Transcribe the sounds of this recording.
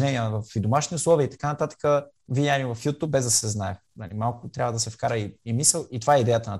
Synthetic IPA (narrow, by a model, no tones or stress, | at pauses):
nɛniəvɐfid̪omaʃniʊslˠɔviəit̪ɐ̥kanɐt̪at̪ə̥kə | vid̪ʲanʲiɛvɐfjut̪ub̚bɛzd̪ɐsɛznaɛxnɐlḭmalˠkʊt̪ɾʲabvəd̪ɐsɛfkaɾəiimisɛlˠit̪ovaɛid̪ɛjət̪ənɐt̪